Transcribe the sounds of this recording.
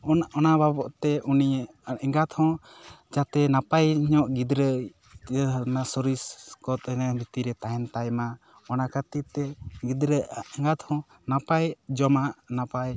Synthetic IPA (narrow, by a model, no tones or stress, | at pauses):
ɔɔnababɔʔt̪ɛʔunij | ʔɛŋɡat̪hɔ̃d͡ʒat̪ɛnapajɲɔʔɡid̪ɾə | nasɔɾiskɔt̪nabit̪iɾɛt̪aɦɛnt̪ajma | ɔnakat̪it̪ɛɡid̪ɾəɛŋɡat̪hɔ̃ | napajd͡ʒɔmaʔnapaj